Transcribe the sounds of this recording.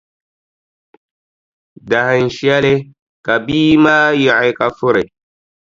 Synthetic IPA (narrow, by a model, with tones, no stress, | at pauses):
da˨ha˨n˨ʃi˦a˦le˦ | ka˨biː˦ma˦ji˨ʔa˨jka˨fʊ˦ɾe˨